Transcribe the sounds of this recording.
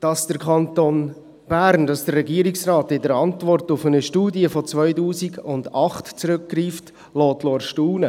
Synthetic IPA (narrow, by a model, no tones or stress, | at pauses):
d̥ɑsd̥əɾkʰɑnton | b̥æɾnd̥ɑsd̥ərːɛɡiəɾɪksrɑːtɪdəɾɑntvɔrtʊfənəʃtuːdiəfɔt͡sʋœʏtuːsiɡʊndɑχtt͡sɾʏk̚ɡriːft | lɔːtloːɾʃtuːnə